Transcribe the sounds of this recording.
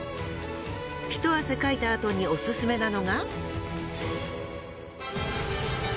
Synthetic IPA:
çi̥t̪o̞βase̞kait̪aːt̪o̞ɲ̟io̞sɨsɨme̞nano̞ɡa

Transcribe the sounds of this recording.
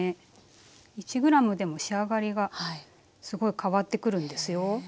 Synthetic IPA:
e | it͡ɕiɡɯ̟ɾamɯ̟d̪e̞mo̞ɕiaɡaɾʲiɡa | sɨɡo̞ikʰaβat̪ːe̞kɯ̟ɾɯ̟̃nd̪e̞sɨjo̞

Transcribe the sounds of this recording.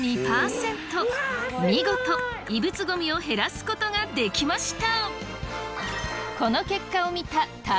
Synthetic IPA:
ɲʲipaːsẽ̞nt̪o̞mʲiɡo̞t̪o̞ibɯ̟t͡sɨɡo̞mʲio̞ɦe̞ɾasɨ̥ko̞t̪o̞ɡad̪e̞kʲimaɕi̥t̪a | ko̞no̞ke̞kːaomʲit̪at̪a

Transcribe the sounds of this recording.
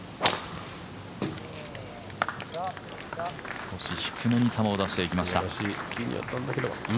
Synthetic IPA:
sko̞ɕiɕi̥kʰɯmeɲ̟it̪ʰamaod̪aɕi̥t̪e̞ikʲimaɕit̪aɕikʰʲiɲʲḭjo̰t̪ːãnd̪akeɾeba̰

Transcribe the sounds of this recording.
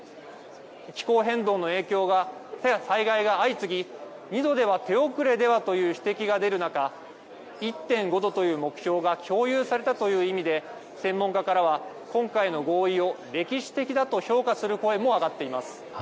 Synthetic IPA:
kʲi̥ko̞ːɦẽ̞nd̪o̞ːno̞e̞ːkʲo̞ːɡasaiɡaiɡaːit͡sɨɡʲi | ɲ̟id̪o̞d̪e̞β̞at̪e̞o̞kɯ̟ɾe̞d̪e̞βat̪o̞jɯ̟ːçi̥t̪e̞kʲiɡad̪e̞ɾɯ̟naka | it̪ːẽ̞ŋɡo̞d̪o̞t̪o̞jɯ̟ːmo̞kɯ̟̥çʲo̞ːɡakʲʰo̞ːjɯ̟ːsaɾe̞t̪at̪o̞jɯ̟ːimʲid̪e̞ | sẽ̞mːoŋkakaɾaβ̞a | kõ̞ŋkaino̞ɡo̞ːio̞ | ɾe̞kʲiɕi̥t̪e̞kʲid̪at̪o̞ço̞ːkasɨɾɯ̟ko̞e̞mo̞aɡat̪ːe̞imasɨ̥

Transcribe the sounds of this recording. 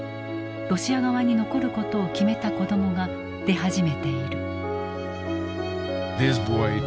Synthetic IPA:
ɾo̞ɕianoβaɲ̟ino̞ko̞ɾɯ̟ko̞t̪o̞ːkʲime̞t̪ako̞d̪o̞mo̞ɡa | d̪̥e̞ɦaʑime̞t̪e̞iɾɯ̟ | ðɪs̬bɔɪ

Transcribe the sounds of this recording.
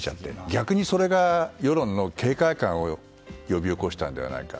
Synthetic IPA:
t͡ɕa̰t̪ːe̞̰ɡʲakɯ̟ɲ̟iso̞ɾe̞ɡajo̞ɾõ̞nːo̞kʰe̞ːkaikãɰ̃o̞ | jo̞bʲio̞ko̞ɕi̥t̪ãnd̪e̞a̰na̰ika̰

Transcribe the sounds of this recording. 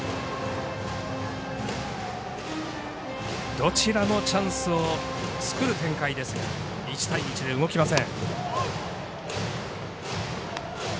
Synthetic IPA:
d̪̥o̞t͡ɕiɾano̞t͡ɕãɰ̃sɨo̞ | t͡sɨ̥kɯ̟ɾɯ̟t̪ẽ̞ŋkaid̪e̞sɨɡa | it͡ɕi̥t̪aiɲit͡ɕid̪e̞ɯɡo̞kʲimasẽ̞ŋ

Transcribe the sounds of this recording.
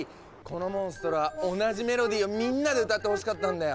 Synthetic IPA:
ko̞no̞mõ̞ɰ̃sɨ̥t̪o̞ɾoβao̞naʑime̞ɾo̞d̪ʲiːo̞mʲĩnːad̪e̞ɯ̟t̪at̪ːe̞ho̞ɕi̥kat̪ːãnd̪ajo

